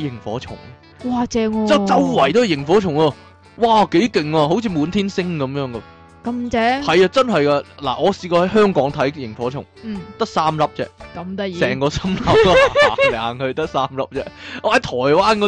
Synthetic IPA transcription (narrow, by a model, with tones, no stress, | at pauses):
jɪ˨˩ŋfɔ̰ː˨˥t͡sʰʊ̰˨˩ŋ | waː˧t͡sɛː˧ɔ˧ɐ˥t͡sɐ˥wːɐ˨˩jt̪o˧˥hɐ˨jɪ˨˩ŋfɔː˨˥t͡sʰʊ˨˩ŋɐ˧ | waː˨˩ke˨˥jkɪ˨ŋɐː˧ɦo˨˥wt͡sʰiː˧muː˨˧nt̪ʰiː˥nsɪ˥ŋkɐ˨˥mjœː˨˥ŋɡɐ˧ | kɐ˧˥mt͡sɛ˨˥hɐ˨jɐː˧t͡sɐ˥nɦɐ˨jkaː˧la̰ː˨˩ʔɔː˨˧siː˧kɔː˧hɐ˨˥jɦœː˥ŋkɔː˨˥ŋt̪ʰɐ˨˥jjɪ˨˩ŋfɔː˨˥t͡ʃʰʊ̰˨˩ŋ̩˨˩t̪ɐ˥k̚saː˥mlɐ˥p̚t͡sɛ̰ː˧˥kɐ˨˧mt̪ɐ˥sɛː˨˩ŋkɔː˧sɐ˥mlɐ˥p̚ːhaː˨˩ŋhɵ˧ɥt̪ɐ˥k̚saː˥mlɐ̰˥p̚t͡sɛː˧ʔɔ˧hɐ˨˦jt̪ʰɔː˨˩jwaː˥nkɔ˨˧